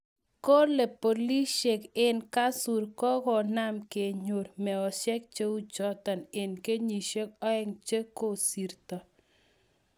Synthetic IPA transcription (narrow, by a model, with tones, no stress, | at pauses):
ko˦ɾle˨po˨li˦ʃe˨kɪ˦nka˦su˨ɾkɔ˦kɔ˨na˦mke˨ɲo˨ɾmɛ˨ɔ˨sɛ˦k̚t͡ʃe˦u˦t͡ʃɔ˦t̪ɔ˨nɪ˨nke˦ɲi˨ʃe˦k̚ɔ˦ɛ˦ŋt͡ʃe˦ko˦si˨ɾt̪ɔ˨